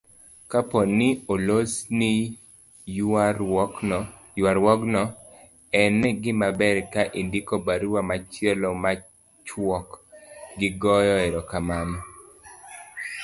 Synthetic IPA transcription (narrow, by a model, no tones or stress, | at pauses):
kapɔnɪolosnɪ | waɾwɔɡnɔ | ɛnɡɪmabɛɾkaʔindikobaɾwamat͡ʃɪɛlɔma | t͡ʃwɔkɡɪɡɔjɔɛɾɔkamanɔ